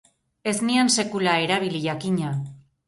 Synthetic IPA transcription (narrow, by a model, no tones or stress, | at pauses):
e̞znianse̞kulae̞ɾaβ̞iliʝakiɲa